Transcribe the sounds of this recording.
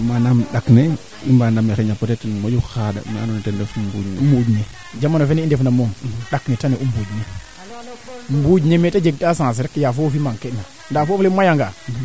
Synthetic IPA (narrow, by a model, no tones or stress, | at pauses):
manamɗakne | ḭmbandamexeɲapotetnmod͡ʒuxada̰m̰ːnonetendefmbud͡ʒɲmud͡ʒɲe | d͡ʒamːanofenendefnamoɗaknetaneʔumbud͡ʒɲe | mbud͡ʒɲemetad͡ʒeɡ̚dasãs̬eɾekːjafofimaŋkena | ndafoflemajaŋɡa